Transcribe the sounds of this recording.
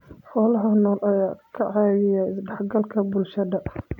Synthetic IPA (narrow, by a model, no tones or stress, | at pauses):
ħɔːlɐɦɐnɔːlʔɐjaːkʰɐʕɑːwɪjaɪsɖɐħɡɐlkʰɐbʊlʃɐdɐʔ